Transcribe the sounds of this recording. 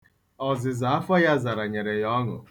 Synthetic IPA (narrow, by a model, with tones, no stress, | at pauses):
ɔ˨zɪ˨za˨˦a˦fa˦ja˦za˨ɾa˨ɲe˨ɾe˨jɔ˦ŋʊ̰˨